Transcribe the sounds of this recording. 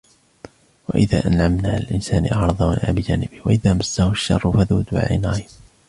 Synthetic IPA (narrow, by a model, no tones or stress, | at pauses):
wa̰ʔɪða̰ːʔanʕamnaːɪlʔɪnsaːnɪʔɑʕɾˤɑðˤɑwanʔa̰ːbɪd͡ʒaːnɪbɪhwaʔɪðaːmasːahʊʃːɑ̰rˤːʊfaðuːd̪ʊʕa̰la̰naʕim